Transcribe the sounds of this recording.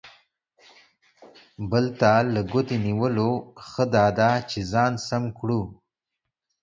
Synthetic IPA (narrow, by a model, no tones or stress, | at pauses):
bəlt̪aləɡʊt̪eniwəloxəd̪ɑd̪at͡ʃezɑːnsamkɽu